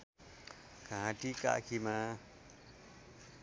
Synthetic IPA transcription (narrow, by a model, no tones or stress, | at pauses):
kããt̪ika̰ʔkʰimã